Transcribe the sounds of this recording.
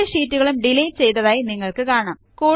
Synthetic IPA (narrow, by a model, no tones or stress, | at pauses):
ɐʂiːtːuɣɐɭumɖilɐjnt͡ɕejt̪ɐðaːjiniŋːɐɭkɨkaːɐɳaːmkuː